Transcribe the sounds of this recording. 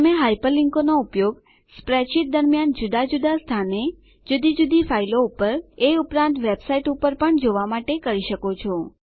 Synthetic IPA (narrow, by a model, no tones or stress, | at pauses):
t̪əmeɦajpəliŋkonoupjoɡ | spɾɛt͡ʃit̪̚d̪əɾmjand͡ʒud̪ad͡ʒud̪ast̪ʰane | d͡ʒud̪id͡ʒud̪ifailoupəɾeupɾãnt̪ʋebsaiʈupəɾpəɳd͡ʒoʋamaʈekəɾiʃəkot͡ʃʰɔ